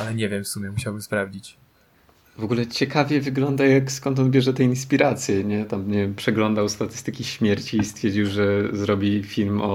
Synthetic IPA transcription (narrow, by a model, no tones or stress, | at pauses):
alɛɲɛvʲjɛmfsumʲjɛmuɕawɘmspɾavd͡ʑit͡ɕ | vɔɡulɛt͡ɕɛkavʲjɛvɘɡlɔnd̪ajakskɔnt̪̬ɔnbʲjɛʐɛt̪ɛinspʲiɾat̪sʲjɛɲɛt̪amːɲɛpʂɛɡlɔnd̪awst̪at̪ɘ̥st̪ɘkʲiɕmʲjɛɾt͡ɕiːst̪fʲjɛɾd͡ʑiwʐɛzɾɔbʲifʲilmɔ